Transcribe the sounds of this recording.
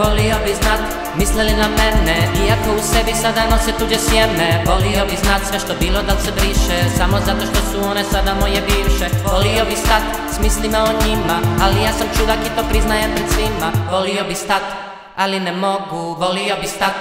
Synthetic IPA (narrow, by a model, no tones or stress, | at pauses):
vɔliɔbiznat̪ | mislɛlinamɛɾnɛiakɔusɛbisad̪anɔsɛt̪uɟɛsjɛmnɛbɔlijɔbiznat̪sʋɛʃt̪ɔbilɔd̪alsɛbɾiʃɛsamɔzat̪ɔʃt̪ɔsuɔnɛsad̪amɔjɛbiwʃɛɔliɔbist̪at̪ | smislimɛɔɲimaalijasɔmt͡ʃud̪akit̪ɔpɾiznajɛpɾɛt̪sʋimabɔliɔbist̪at̪ | alinɛmɔɡuvɔlijɔbist̪at̪̚